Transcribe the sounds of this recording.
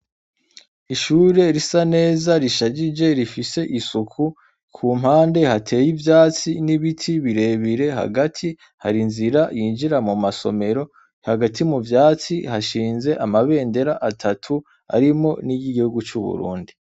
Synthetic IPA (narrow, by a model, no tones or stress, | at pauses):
iʃuɾe̞ɾisane̞ːzaɾiʃaɟid͡ʒe̞ɾifise̞ʔisukʰu | kʰuːm̥haːnde̞hatʰe̞ːjivjaːt͡siniβitʰiβiɾe̞βiɾe̞ɦa̰ɡatʰi | ha̰ɾinziɾajiːnʒiɾamumaso̞̰me̞ɾo̞ | haɡatʰimuvjaːt͡sihaʃiːnze̞ʔamaβe̞ːnde̞ɾaʔatʰatʰu | a̰ɾimo̞niɡiɡihuɡut͡ʃuβṵɾṵːndi